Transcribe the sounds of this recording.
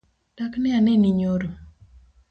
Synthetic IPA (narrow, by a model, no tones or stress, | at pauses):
d̥aknɪanɛniɲoɾo